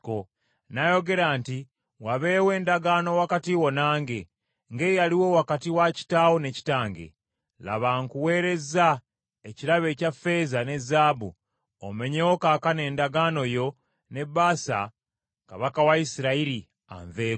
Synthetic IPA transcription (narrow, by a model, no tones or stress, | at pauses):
o | najo̞ɡe̞ɾaːnti | waβe̞ːwe̞ːndaɡaːno̞wakatiwo̞naːŋɡe̞ | ŋɡe̞jaliwo̞wakatiwaci̥taːwo̞ne̞ci̥taːŋɡe̞̰ | la̰βaŋkuwe̞ːɾe̞za | e̞ciɾaβe̞cafe̞ːzane̞zːaːbṵ | o̰me̞ɲewo̞kaːkane̞ːndaɡaːno̞jo̞ | ne̞bːaːsa̰ | kaβakawaisiɾaiɾi | a̰ɱveː